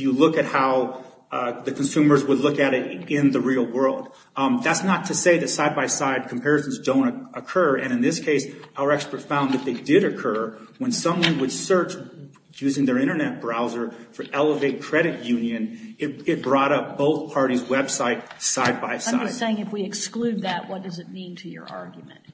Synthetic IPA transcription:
jɨlʊkɨt̚haʊ | ðɨkʰn̩sʉ̃mə˞zwədˡlʊkɨɾɪɾɪ̃nðɨɹil̩ˠwɜ˞lˠd̪̚ | ðætsnətʰɨseɪðɨtsaɪd̚baɪvsaɪd̚kʰm̩pʰɛɹɨsn̩zdõʊ̃ñɨkʰɜ˞ɨ̃ñɨ̃nðɪskʰeɪsaʊə˞ɛkspə˞tfãʊ̃nðɨt̪̚ðeɪdɪɾɨkʰɜ˞wə̃nsʌ̃mwʌ̃nwɨd̥sɜ˞t͡ʃ | jʉzɪ̃ŋðə˞ɪ̃ɾ̃ə˞nɛt̚b̥ɹaʊzə˞fə˞ʔɛlˠəveɪt̚kʰɹ̥ɛɾɨt̚jʉ̃njɨ̃nɨt̚ɨt̚b̥ɹɔɾʌp̚b̥oʊθpʰɑɹɾizwɛb̥saɪt̚saɪd̚baɪ̥sa̰ɪdseɪɪ̃ŋɨfwiɨksklʉd̪̚ðɨʔ̚wʌt̚d̥ʌzɨt̚mĩntʰɨjə̰˞ʔɑ̰ɹɡjmɨ̰̃nt̚

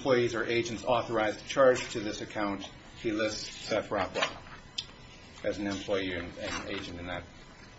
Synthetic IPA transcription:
pʰl̥ɔɪizə˞ʔeɪd͡ʒ̃ntsɔθə˞aɪzt͡ʃʰɑɹd͡ʒ̥tʰɨðɪsɨkʰãʊ̃nt | hilɪssɛfɹɑpʰlə̰ | ʔɨzn̩ɨ̃mpʰl̥ɔɪiɨ̃ɨ̃nḛɪd͡ʒɨ̃ntɨ̃nðɨt̚

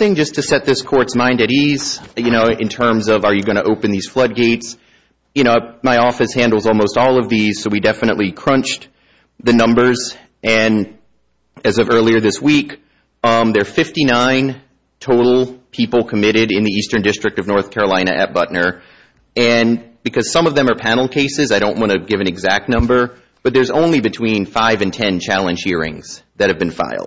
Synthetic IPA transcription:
ɪ̃ŋd͡ʒʌstʰɨsɛt̪̚ðɪskʰɔɹtsmãɪ̃ndɨɾiz̥jɨñoʊɨ̰̃ntʰɜ̃˞mzʌvə˞jɨɡʌñɨʔoʊpɨ̃nðiz̥flʌd̚ɡeɪts | jɨñoʊmaɪɔfɨshæ̃ndˡl̩ˠzɔlˠmoʊstɔlˠʌvðiz̥soʊwidɛfɨñə̰ʔˡlikʰɹ̥ʌ̃nt͡ʃ | ðɨnʌ̃mbə˞z | ʔɨ̃n | ɨzʌvɜ˞lˠiə˞ðɪswik | ðə˞fɪftinãɪ̃n | tʰoʊɾl̩ˠpʰipl̩ˠkʰəmɪɾɪɾɨ̃nðiistə̃˞ndɪstɹ̥ɨk̚tʌvnɔɹθkʰɛɹəlãɪ̃nɨ̰ʔɨt̚b̥ʌʔⁿnə˞ | ɨ̃nb̥ɨkʰʌz̥sʌ̃mʌvðɨ̃mə˞pʰænl̩ˠkʰeɪsɨzaɪɾõʊ̃nʔwɑ̃ɾɨɡɪvɨ̃nɨɡzæk̚tⁿnʌ̃mbə˞ | b̥ʌt̪̚ðə˞zõ̰ʊ̃nlibɨtʰw̥ĩnfaɪvɨ̃ntʰɛ̃nt͡ʃʰælˠɨ̃nʒ̥hiɹɪ̰̃ŋz̥ðɨt̚hɨvbɨ̃nfa̰ɪlˠd̥̚

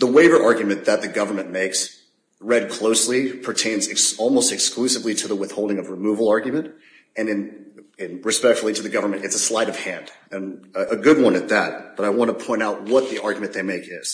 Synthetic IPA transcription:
ðəweɪvə˞ʔɑɹɡjɨmɨ̃nðɨt̪̚ðɨɡʌvə˞mɨ̃nmeɪks | ɹɛd̚kʰl̥oʊslipʰə˞tʰẽɪ̃nzɨksɔlˠmoʊstɨksklʉsɨvliɾɨðəwɪθhoʊlˠdɪ̃ŋʌvɹɨmuvl̩ˠɑɹɡjɨmɨ̃nt | ɨ̃nɨ̃nɨ̃nɹɨspɛk̚tfl̩ˠiɾɨðɨɡʌvə˞mɨ̃ntɨtsəslaɪɾʌv̥hæ̃nd̥ɨ̃nɨɡʊd̚wʌ̃nɨt̪̚ðæt̚b̥ʌɾaɪwɑ̃nəpʰɔ̃ɪ̃ntaʊt̚wʌt̪̚ðiʔɑɹɡjmɨ̃nðeɪmeɪkɪz̥

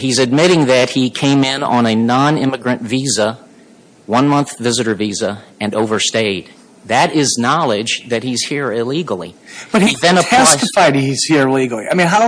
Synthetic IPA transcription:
hizɨd̚mɪɾɪ̃ŋðɨt̚hikʰẽɪ̃mɪ̃nə̃nɨnɑ̃nɪ̃mɨɡɹɨ̃ntvizə | wʌ̃nmʌ̃nθvɪzɨɾə˞vizəɨ̃noʊvə˞steɪd̪̚ | ðɨɾɪznɑlˠɪd͡ʒðɨt̚hiz̥hiɹɪliɡl̩ˠḭb̥ʌt̚hiðɨ̃nəætɨfaɪdiz̥hiɹɪliɡl̩ˠia̰ɪmĩnɦaʊ

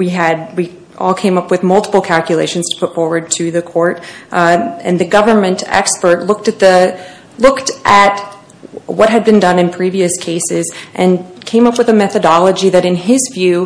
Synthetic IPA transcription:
wiɨd̚wi | ʔɔ̰lˠkʰẽɪ̃mʌpwɨðmʌlˠtə̥pl̩ˠkʰælˠkʰjɨleɪʃɨ̃n̩z̥tʰə̥pʰʊtfɔɹwə˞d̚tʰɨðɨkʰɔɹɾ | ɨ̰̃nðɨɡʌvə˞mɨ̃ntɛ̰kspə˞tˡlʊk̚tɨt̪̚ðɨ | lʊktʔɨt̚ | wʌt̚ɦɨd̚bɨ̃ndʌ̃nɨ̃npʰɹ̥iviɨskʰeɪsɪzʔɨ̃nkʰẽɪ̃mʌpwɨðɨmɛθɨdɑlˠəd͡ʒiðɨɾɨ̃nɪzvjʉ

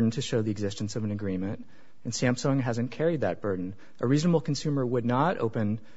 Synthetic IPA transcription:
dn̩tʰɨʃoʊðiɨɡzɪstnsʌvɨ̃nɨɡɹĩmɨ̃nt | ɨ̃nsæ̃mpsɔ̃ŋɦæzɨ̃nkʰɛɹid̪̚ðɨt̚b̥ɜ˞dⁿn̩ | ʔəɹiznəbl̩ˠkʰn̩sʉmə˞wədⁿnəɾʔo̰ʊpɨ̃n

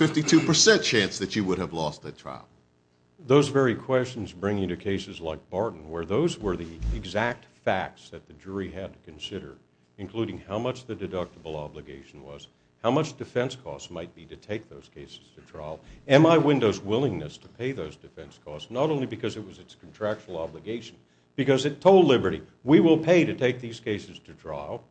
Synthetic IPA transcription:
fɪftitʰʉpə˞sɛ̃nt͡ʃʰæ̃nsðɨt͡ʃɨwʊɾəvlɔst̪̚ðɨtʰɹ̥a̰ɪl̩ˠ | ðoʊzvɛɹikʰw̥ɛst͡ʃn̩zbɹɪ̃ŋɪ̃ŋtɨkʰeɪsɨzlaɪk̚b̥ɑɹʔn̩wə˞ðoʊzwə˞ðiɪɡzæk̚tfæk̚tsðɨt̪̚ðɨd͡ʒʊɹiɨd̚tʰɨ̥kʰɨ̃nsɪɾə̰˞ | ɨ̃nkʰl̥uɾɪ̃ŋhaʊmʌt͡ʃðɨdɨdʌk̚təbl̩ˠɑblɨɡeɪʃn̩wʌ̰z̥ | haʊmʌt͡ʃd̥ɨfɛ̃nskʰɔ̰stmaɪt̚b̥iɾɨtʰeɪk̚ðoʊz̥kʰeɪsɨz̥tʰɨtʰɹ̥a̰ɪlˠɛ̃maɪwɪ̃ndoʊzwɪlˠɪ̃ŋnɨstʰə̥pʰeɪðoʊzdɨfɛ̃nskʰɔstsnəɾõʊ̃nlibɨkʰʌzɨt̚wʌzɨtskʰn̩tʰɹ̥æk̚t͡ʃl̩ˠɑblɨɡeɪʃn̩ | b̥ɨkʌzɨtʰoʊlˠdˡlɪbə˞ɾi | wiwɪlˠpʰeɪɾɨtʰeɪk̚ðiz̥kʰeɪsɨz̥tʰɨtʰɹ̥a̰ɪl̩ˠ

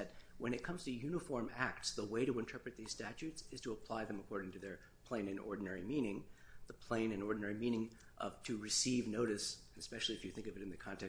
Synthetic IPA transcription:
ɨt̚wə̃ñɨt̚kʰʌ̃mz̥tʰɨjʉnəfɔɹmæk̚tsðəweɪɾɨɨ̃ntʰɜ˞pɹɨt̪̚ðiz̥stæt͡ʃʉtsɨz̥tʰəəpʰl̥aɪðɨ̃məkʰɔɹɾɪ̃ŋtʰɨðə˞ | pʰl̥ẽɪ̃nɨ̃nɔ̰ɹdⁿn̩ɛɹimĩnɪ̃ŋðəpʰl̥ẽɪ̃nɨ̃nɔɹdⁿn̩ɛɹimĩñɪ̃ŋ | ʔʌ̰v̥tʰɨɹɨsivnoʊɾɨs | nɨspɛʃl̩ˠiɨfjɨθɪ̃ŋkʌvɨɾɨ̃nðɨkʰɑ̃ntʰɛ

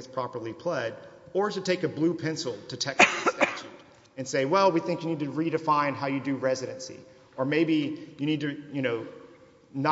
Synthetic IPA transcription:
ɨz̥pʰɹ̥ɑpə˞lˠipʰl̥ʌɾə˞tɨtʰeɪkɨblʉpʰɛ̃nsl̩ˠtʰɨtʰɛksɨstæt͡ʃʉɾ | ɨ̃nseɪwɛlˠwiθɪ̃ŋkjɨnid̚tɨɹiɾɨfãɪ̃nɦaʊjɨdɨɹɛzɨɾɨ̃nsḭ | ə˞meɪbijɨñid̚tɨjɨñoʊ | nə

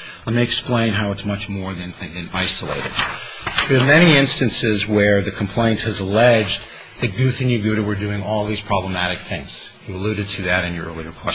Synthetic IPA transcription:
lɛt̚mɪɨksplẽɪ̃nɦaʊətsmʌt͡ʃmɔɹðɨ̃ñðɨ̃naɪsəlḛɪɾɨ̰d̥̚ | ðə˞mɛniiɪ̃nstɨ̃nsɪzwə˞ðɨkʰm̩pʰl̥ẽɪ̃nt̚hɨzəlɛd͡ʒ | ðɨt̚ɡ̥ʉθɨ̃njʉɡʉɾɨwə˞dʉɪ̃ŋɔlˠðiz̥pʰɹ̥ɑbləmæɾɨk̚θɪ̃ŋz̥jɨəlʉɾɨd̚tʰɨðɨɾɨ̃njə̰˞ʔɜ̰˞lˠiə˞kʰw̥ɛ

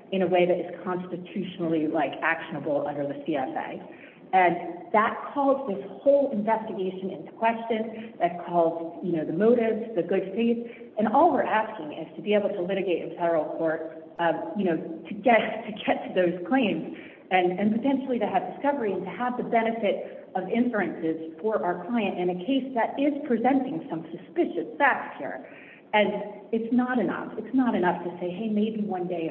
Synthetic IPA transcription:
ɨ̃ñɨweɪðɨɾɨz̥kʰɑ̃nstɨtʰʉʃnl̩ˠilaɪkækʃɨnəbl̩ˠʌ̃ndə˞ðɨsiɛfḛɪ | ɨ̃nðət̚kʰɔzðɪshoʊlˠɨ̃ɱvɛstɨɡeɪʃɨ̃nɪ̰̃ntu̥kʰw̥ɛst͡ʃɨ̃nðɨt̚kʰɔlˠzjɨnoʊðɨmoʊɾɪvzðɨɡʊd̥feɪθ | ɨ̃nɔlˠwə˞ʔæskɪ̃ŋɪ̰ftʰɨbieɪbl̩ˠtʰəlɪɾɨɡeɪɾʔɨ̰̃nfɛɾə˞l̩ˠkʰɔɹt̚ | jɨñoʊɾʰɨɡɛttʰɨɡɛtʰɨðoʊz̥kʰl̥ẽɪ̃mz | ɨ̃nɨ̃npɨtʰɛ̃nʃl̩ˠiɾɨɨvdɨskʌvə˞iɨ̃ntɨəvðɨbɛñɨfɪɾ | ʌvɪ̃ɱsə˞ɨ̃nsɪz̥fə˞ʔaʊə˞kʰl̥aɪɨ̃ntɨ̃ñɨkʰeɪsðɨɾʔɪz̥pʰɹ̥izɛ̃ntɪ̃ŋsʌ̃msɨspɪʃɨsæk̚shḭɹ | ɨ̃nɨtsnəɾɨnʌ̰fɨtsnəɾɨnʌftʰɨseɪɦeɪmeɪbiwʌ̃ndeɪ

